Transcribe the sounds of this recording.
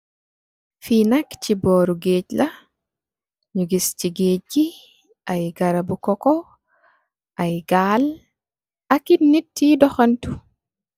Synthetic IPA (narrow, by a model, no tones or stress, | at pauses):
fiːnakt͡ʃibɔːɾuɡeːt͡ʃla | ɲuɡist͡ʃiɡeːd͡ʒːi | ʔajɡaɾabukɔkɔ | ʔajɡaːl | akinitːidɔxantu